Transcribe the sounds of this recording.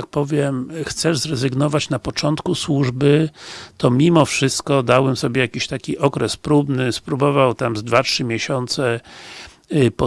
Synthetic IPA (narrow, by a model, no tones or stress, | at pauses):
ak̚pɔvʲjɛmxt̪sɛʐzɾɛzɘɡnɔvat͡ɕnapɔt͡ʂɔnt̪kuswuʐbɘt̪ɔmʲimɔfʂɘst̪kɔd̪awbɛmsɔbʲjɛjakʲiɕt̪akʲiʔɔkɾɛspɾubnɘspɾubɔvawt̪amzd̪vatʂɘmʲjɛɕɔnt̪sɛ | pɔ